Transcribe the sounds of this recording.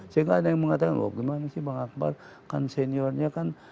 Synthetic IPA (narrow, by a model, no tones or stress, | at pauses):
sajaŋɡadajaŋməŋat̪akanwa̰p̚ɡimanasihbaŋak̚ba̰r | kanseniɔrɲakan